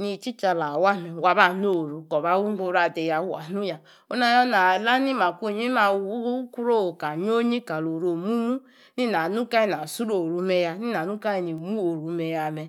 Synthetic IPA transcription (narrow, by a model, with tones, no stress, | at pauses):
ni˨t͡ʃi˦t͡ʃa˨la˨wa˦me˨wa˨ba˨no˦˨ɾu˨kɔ˨βa˦wu˦bo˦˨ɾa˨de˨ja˨˦wa˨nu˦ja˨ | o˦na˦jɔ˦na˨la˦ni˦ma˨kʷo˦˨ɲi˦a˨˦ku˦ɾo˦o˨ka˨ɲ˦o˦ɲi˦ka˨lo˨ɾo˨mu˦mu˦ | ni˦na˨nu˦ka˦i˨n˨a˨su˦ɾo˨ɾu˨me˦ja˦ni˦na˨nu˦ka˦i˨ni˨mu˦o˨ɾu˨me˨ja˨me˨